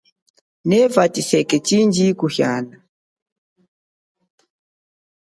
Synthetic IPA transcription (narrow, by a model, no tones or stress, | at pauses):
nɛvatisɛkɛt͡ʃind͡ʒikuhjana